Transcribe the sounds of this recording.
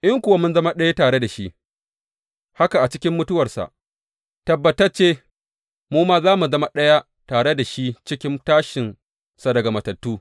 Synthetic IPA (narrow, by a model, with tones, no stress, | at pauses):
ʔɪ˦ŋkʷʊ˨wa˦mʊ˦nzɐ˦ma˦ɗɐ˦ja˦taː˨ɽe˦da˨ʃi˦ʔ | ha˦ka˨ʔa˨t͡ʃɪ˦kʲɪ˦mːʊ˦tʊ˦wɐ˨rsa̰˨ʔ | tɐ˨bːɐ˨tɐ˦rt͡ʃeː˦ | muː˦maː˦zaː˦mu˨zɐ˦ma˦ɗɐ˦ja˦ | taː˨ɽe˦da˨ʃi˦t͡ʃɪ˦kʲɪ˦ntaː˦ʃɪ˨n | sa˨dɐ˨ɡa˨mɐ˨tɐ˨tːuː˦